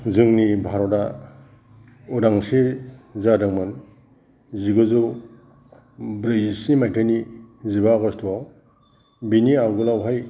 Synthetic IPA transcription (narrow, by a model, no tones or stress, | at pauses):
zɯŋnibʱaɾɔda | uɾaŋsezadɯŋman | ziɡɯzu | bɾɯjsimajtʰanizibaɡɔstʰɔ | biniaɡulawɦaj